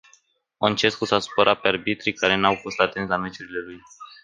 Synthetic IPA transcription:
ont͡ʃe̞skusasu̥poɾʔapearbit̪ɾikaɾe̞nawfo̞st̪at̪enslamet͡ʃuɾile̞luj

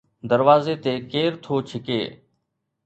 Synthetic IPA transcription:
d̪əɾʋaːzeːt̪eːkeːɾt̪ʰoːt͡ʃʰɪkḛː

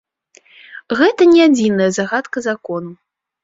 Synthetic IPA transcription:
ɣɛt̪ɐnʲɛad͡zʲinɐjɐzaɣat̪kɐzakɔnu

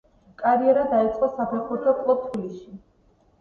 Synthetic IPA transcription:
kʼaɾiɛɾad̪ait̪sʼqʼɔsapʰɛχuɾt̪ʰɔkʼlˠɔp̚t̪ʰwilisi

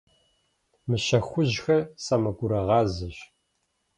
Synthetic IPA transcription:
mɨɕɐxʷʊʑxɐsamɐɡʷʊɾɐʁɑːzɐɕ

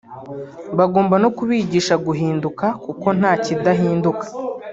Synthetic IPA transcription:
βaɡo̞ːmbano̞kuβiːɟiːʃaɡuɦiːndukakuko̞n̥aːcidaɦiːndukḁ

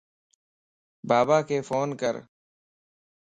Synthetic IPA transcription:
baːbaːkeːfoːnkəɾ

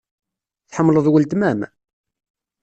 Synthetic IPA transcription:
θħəmːləðˤwəlt̪mæm

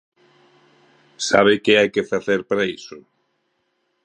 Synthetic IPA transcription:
sa̰β̞ɪkeajkefaθeɾpaɾaisʊ

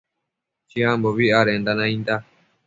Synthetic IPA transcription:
t͡ʃiãmboβiʔaɾend̪anãĩnd̪a

